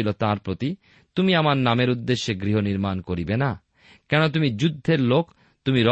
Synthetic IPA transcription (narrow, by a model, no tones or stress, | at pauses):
ilot̪aɾpɾot̪i | t̪umiamaɾnameɾud̪ːeʃːeɡɾiɦoniɾmankoɾibena | kɛnot̪̬umid͡ʑud̪ʱːeɾlok | t̪umiɾɔ